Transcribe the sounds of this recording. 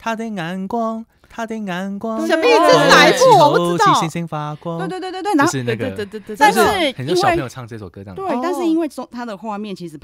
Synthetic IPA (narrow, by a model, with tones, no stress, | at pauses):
t̪ʰa˥d̪ə˨na˧˥nkwɑ˥ŋ | t̪ʰa˥t̪ə˧˩ŋa˧˥nkwɑ˦ŋɕjɑ˨˩me˥o˨˩˥na˨˧˥ɪfu˥ɔ˨˩pu˥ti˧˥i˧˥ŋɕi˥ŋfa˧kwɑ˦wt̪wt̪wt̪wt̪wo˧ʂɻ̩˧˥˧n˥˧ɡ̪a˥˧nʂ̩˥˩ɻ̩˥˩xə˨nt͡ɕo˥˧˥nwẽ˥˩˧jʈ͡ʂʰɑ˥˧ŋ˩ʈ͡ʂə˥˧˩swɔ̰˨˩kɤ˧˦˥ɑ̰˥˨˩t̪we˥˩ɪt̪a˥˧nʂɻ̩˥˩i˦˥nwe˥˩ɪʊ˥ŋt̪ʰa˥d̪ə˨xwa˥˧mjɛ˥˨nt͡ɕʰi˧˥ʂɻ̩˨˩pʰ